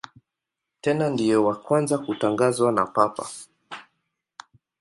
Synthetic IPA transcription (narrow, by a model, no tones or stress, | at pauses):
tɛnandijɛwakwanzakutaŋɡazwana̰papa̰